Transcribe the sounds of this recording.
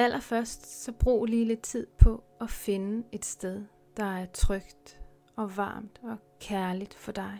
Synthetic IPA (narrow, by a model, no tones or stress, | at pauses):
ælʔɐfɶɐsd̥sɒ̽b̥ʁṵːliːle̝d̥̚t͡sʰið̰ˠpʰɒ̽ | ɒfe̝nəe̝d̥sd̥eð̞ˠ | d̥ɑ̈æɐt͡sʰʁœɡ̥d̥ | ɒ̽ʋɑ̰̈ːmd̥ɒ̽ | kʰæɐlid̥fɒ̽d̥ɑ̈ɪ